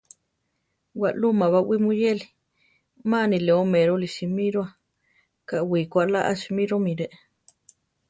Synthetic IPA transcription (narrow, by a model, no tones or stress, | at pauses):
waʔlumaβawimujeli | manileomeɾoliʃimiɾwa | kaʔwikʷaʔlaʔaʃimiɾomiɾeʔ